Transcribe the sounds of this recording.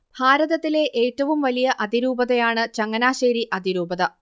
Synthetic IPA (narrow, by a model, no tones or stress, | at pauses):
bʱaːɾɐðɐt̪ːile̞ʔeːtːɐʋumʋɐlijɐʔɐd̪iɾuːbɐðɐjaːɳɨt͡ɕɐŋːɐnaːɕeːɾiʔɐd̪ʱiɾuːbɐðɐ